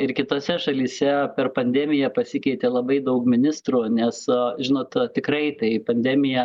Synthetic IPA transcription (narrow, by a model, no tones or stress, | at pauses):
ɪrkʲɪt̪oːsʲɛʃɐlʲiːsʲɛpʲɛrpɐnʲd̪ʲɛmʲɪjɛpɐsʲɪkʲɛɪt̪ʲeːlˠɐbɐɪd̪ɐʊkmʲɪnʲɪst̪ruːnʲɛsʒʲɪnoːt̪t̪ʲɪkɾɐɪt̪ɐɪpɐnʲd̪ʲɛmʲɪjɛ